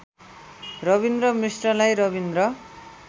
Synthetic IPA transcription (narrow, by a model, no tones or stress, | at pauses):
rʌbind̪rʌmrisrʌlajɾʌβind̪rʌ